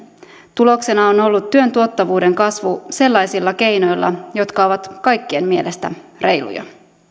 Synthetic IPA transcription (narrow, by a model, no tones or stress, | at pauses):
t̪ulo̞kse̞nɑono̞lːut̪ːyø̞nt̪uot̪ːɑʋuːde̞ŋkɑsʋuse̞lːɑjsilːɑke̞jno̞jlːɑ̰jo̞t̪kɑo̞ʋɑt̪kɑjkːienmielest̪æ̰re̞jlṵjɑ̰